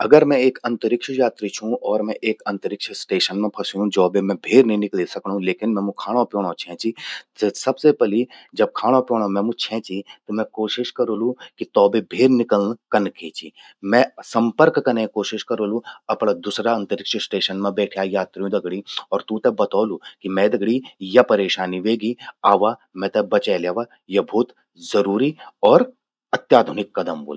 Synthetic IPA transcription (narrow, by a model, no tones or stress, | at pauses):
ɐɡəɾmɛ̃eːkɐ̃nt̪əɾɪkʃjaːt̪ɾit͡ʃʰũʔɔːɾmɛ̃ʔeːkɐ̃nt̪əɾɪkʃəsʈeːʃənmẽpʰɐsjũd͡ʒɔːbemɛ̃bʱeːɾnɐɦĩnɪklisɐknɦũleːkɪnmɛ̃mũkʰaːɽ̃õpjoːɽ̃õt͡ʃʰɛ̃ːt͡ʃisɐbsepɛlid͡ʒɐb̚kʰaːɽ̃opjoːɽ̃omɛ̃mũt͡ʃʰɛ̃ːt͡ʃit̪omɛ̃koːʃɪʃkɐɾoːlũkit̪ɔːbebʱeːɾnɪkəlnkɐnket͡ʃʰḭː | mɛ̃sɐ̃mpəɾkːɐnẽkoːʃɪʃkɐɾoːlũɐpnad̪ʊsɾaɐ̃nt̪əɾɪkʃəsʈeːʃənmẽbɛːʈʰjajaːt̪ɾijũd̪ɐɡɽiɔːɾt̪ũt̪ebɐt̪ɔːlukimɛ̃d̪ɐɡɽijɐpɐɾeːʃaːniʋeːɡiaːʋamɛ̃t̪ɛbɐt͡ʃɛːljaːʋa | jɐbʱuːt̪ | zɐɾuːɾiɔːɾ | ɐt̪jaːd̪ʱʊnɪkːɐd̪əmbo̰ːl